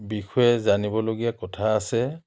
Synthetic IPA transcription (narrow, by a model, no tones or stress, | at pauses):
bixɔɛzanibɔloɡijakɔtʰaːsɛ